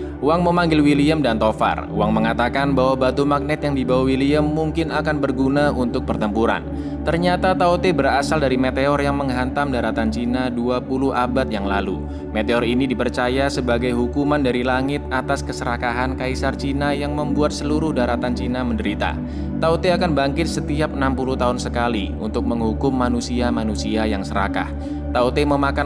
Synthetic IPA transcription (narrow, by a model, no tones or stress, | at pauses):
uwaŋməmaŋɡɪlwiliəmdant̪ofa̰ruwaŋməŋat̪akanbaɦwabat̪umak̚nɛt̪̚jaŋdibawawiliəmːuŋkɪnakanbərɡunaunt̪ʊk̚pərt̪əmpuɾa̰n | t̪ərɲat̪at̪aut̪ebəɾasaldaɾimet̪eɔrjaŋməŋɦant̪amdaɾat̪ant͡ʃinaduapuluhabat̪̚jaŋla̰lṵ | met̪eɔrinidipərt͡ʃajasəbaɡajɦukumandaɾilaŋɪt̪̚at̪askəsəɾakaɦankaisart͡ʃinajaŋməmbuat̪̚səluɾʊhdaɾat̪ant͡ʃinaməndəɾit̪a̰ | t̪aot̪eakanbaŋkɪt̪̚sət̪iap̚ənampuluht̪aɦʊnsəkali | ṵnt̪ʊk̚məŋɦukʊmːanusiamanusiajaŋsəɾa̰ka̰h | t̪aot̪eməmaka